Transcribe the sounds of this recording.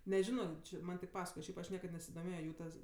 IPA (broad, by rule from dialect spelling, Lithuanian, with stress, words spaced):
nʲɛˈʒʲɪnoː ˈt͡ʃʲɪ ˈmɐnʲ tʲɪk ˈpɑːsɐkoːjɛ ˈʃʲɛɪp ɐʃ ˈnʲiɛkɐt nʲɛsʲɪdoːˈmʲeːjoː ˈjuː tɐs